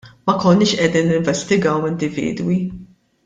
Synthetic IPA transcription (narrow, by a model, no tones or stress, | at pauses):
mɐkɔnːɪːʃʔɛd̪iːnːɪɱvɛst̪ɪɡɐwɪnd̪ɪvḭːd̪wi